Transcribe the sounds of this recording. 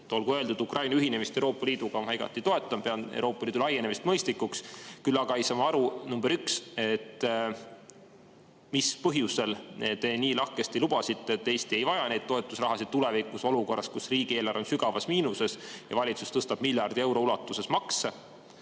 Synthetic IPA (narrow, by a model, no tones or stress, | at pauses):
t̪olɡuøld̪̥ud̪ukrʔɑjnɑyɦine̞mist̪ewɾo̞ːpːˑɑliːd̪uɡ̥ɑɦɑjɡ̥ɑ̰t̪ːˑit̪o̞e̞t̪ˑːɑmpe̞ɑnḛwɾo̞ːpːˑɑliːd̪ulɑje̞ne̞mist̪mɤjst̪ikːˑukskylːɑɡ̥ɑejsɑːmɑɑɾunumbeɾykse̞t̪ː | mispɤɦjuse̞lnet̪eniːlɑhkest̪ilub̥ɑsit̪ːˑet̪ːˑejst̪ie̞jvɑjɑne̞jd̪̚t̪o̞et̪ːˑusrɑɦɑsid̪̥̚t̪ule̞vikːˑuso̞luko̞rːɑskusriːɡ̥ieːlɑɾo̞nsyɡ̥ɑvɑsmiːnuse̞sjɑ̰vɑlʲit̪sust̪ɤst̪ɑb̥̚milʲjɑrd̪ie̞wɾo̞ulɑt̪ːˑuse̞smɑksɑ